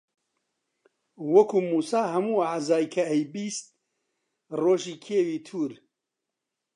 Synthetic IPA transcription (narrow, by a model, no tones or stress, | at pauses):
wɐkʰuːmuːsaːɦɐmuːaʕzaːjkʰɐɛjbiːst̪̚ | roːʒiːkʰeːwiːt̪ʰuːɾ